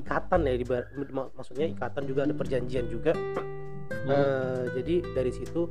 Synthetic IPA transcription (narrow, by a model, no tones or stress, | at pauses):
ikat̪anadibaɾmamaksukɲaikat̪and͡ʒuɡaːdapərd͡ʒaɲd͡ʒiand͡ʒuɡa | əd͡ʒadidaɾisit̪u